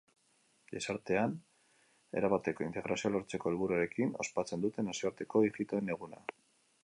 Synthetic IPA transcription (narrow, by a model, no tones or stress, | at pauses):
ʎe̞saɾt̪e̞an | e̞̰ɾaβat̪e̞ko̞int̪e̞ɣ̞ɾasiolo̞ɾt͡se̞ko̞elβuɾuaɾe̞kino̞̰spat͡se̞nd̪ut̪e̞nasioaɾt̪e̞ko̞ixit̪o̞ene̞ɣ̞una̰